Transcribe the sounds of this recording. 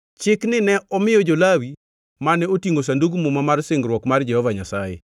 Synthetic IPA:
t͡ʃɪknɪnɛɔmɪjɔd͡ʒolawi | manɛotiŋɡos̬anduɡmumamarseŋɡɾwɔkmard͡ʒɛhɔvaɲasajɛ̰

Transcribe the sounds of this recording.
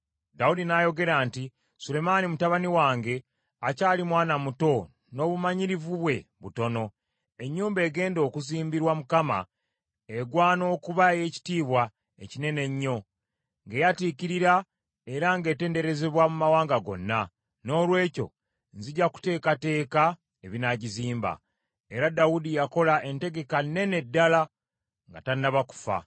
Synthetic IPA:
daudinajo̞ɡe̞ɾaːnti | sule̞manimutaβaniwaːŋɡe̞ | acaːlimwaːnamuto̞ | no̞ːβumaɲiɾivuβwe̞βuto̞no̞ | e̞ɲːuːmbe̞ːɡe̞ːndo̞kuziːmbiɾwamukama̰ | eɡwaːno̞ːkuβaje̞ci̥tiːβwa | ecine̞ne̞ɲːo̞ | ŋɡe̞jatikiɾiɾa | e̞ɾaŋɡe̞ːte̞ːnde̞ɾe̞ze̞βwamumawaːŋɡaɡo̞̰nːa | no̞ːlwe̞ːco̞̰ | nziɟaku̥te̞ːkate̞ːka | eβinaɟiziːmba̰ | e̞ɾadawudijako̞laʔe̞nte̞ɡe̞kane̞ne̞dːala | ŋɡa̰tanːaβaku̥fa̰

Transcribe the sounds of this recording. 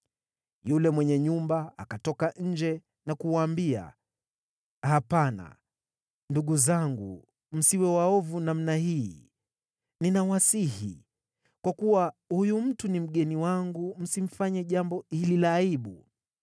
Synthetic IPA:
julɛmwɛɲɛɲumbaa̰katɔkaɲ̩d͡ʒɛ | nakuwaːmbia̰ | hapana̰ | nduɠuzaŋɡṵ | m̩siwɛwaɔvunam̩nahiː | ninawasihḭ | kwakuwahujum̩tunim̩ɠɛniwaŋɡum̩sim̩faɲɛʄambɔhililaːiɓu

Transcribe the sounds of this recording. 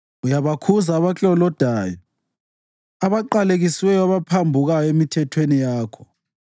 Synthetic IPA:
ujaβakʰuzaːβakʼɔlɔd̥ʱaːjɔ | aβaǃaleɣiswɛjɔaβapʰambʱuɣajɔemitʰɛtʰwenijaːkʰɔ̥

